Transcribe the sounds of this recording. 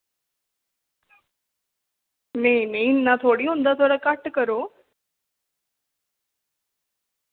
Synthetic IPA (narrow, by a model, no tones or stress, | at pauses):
nenenːat̪ʰoːɽiːɦũnd̪at̪ʰoɽakaʈkəɾo